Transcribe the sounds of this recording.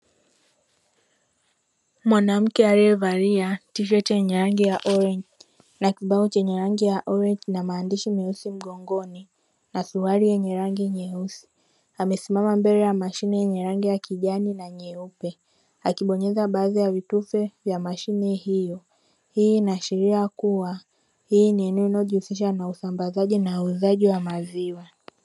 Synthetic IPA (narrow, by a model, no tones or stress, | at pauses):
mwanam̩kɛaɾɛɛvaɾiatiʃ̬ɔtjɛɲɛɾaŋɡijaʔɔɾɛɲd͡ʒ | nakiɓaut͡ʃɛɲɛɾaŋɡijaʔɔɾɛɲd͡ʒnamaːndiʃimɛusim̩ɠɔŋɡɔni | nasuaɾijɛɲɛɾaŋɡiɲɛusi̥ | amɛsimamambɛɾɛjamaʃinɛjɛɲɛɾaŋɡijakiʄaninaɲɛupɛ | akiɓɔɲɛzaɓaːðijavitufɛvjamaʃinɛhijɔ | hiːnaʃiɾiakuwa | hiːniɛnɛɔinaɔʄihusiʃ̬anausambazaʄinauzaʄiwamaziwa